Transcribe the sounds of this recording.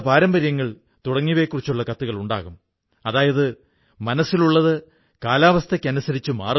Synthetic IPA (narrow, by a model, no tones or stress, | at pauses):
paːɾɐmbɐɾjɐŋːɐɭ | t̪uɽɐŋːiʋeːkːurit͡ɕːuɭːɐkɐt̪ːuɣɐɭuɳɖa̰ːɣum | ɐðaːjɐðɨ | mɐnɐsːiluɭːɐðɨ | kaːlaːʋɐst̪ʰɐkʲːɐnusɐɾit͡ɕːuma̰ːr